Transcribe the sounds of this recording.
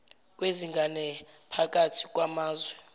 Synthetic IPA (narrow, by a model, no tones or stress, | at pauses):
k̬ʼweziŋɡʱanɛ | pʰak̬ʼatʰi̥k̬ʼwamaːzwɛ